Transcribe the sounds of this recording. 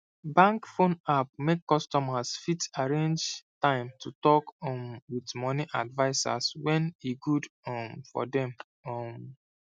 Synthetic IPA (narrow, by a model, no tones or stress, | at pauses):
bãŋkfõnap̚mekːɔstɔmasfitaɹẽnd͡ʒtãɪ̃mtʰutɔkɔmwitmɔniʔadvaɪsa̰swɛ̃niɡudɔmfɔ̰dɛ̃m | ɔm